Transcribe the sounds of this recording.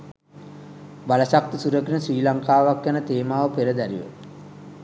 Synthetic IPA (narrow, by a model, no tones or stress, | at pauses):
baləsak̚t̪isuɾəkinəsʋiːlaŋkaːʋakjanət̪eːmaːʋəpeɾəd̪æɾiʋə̰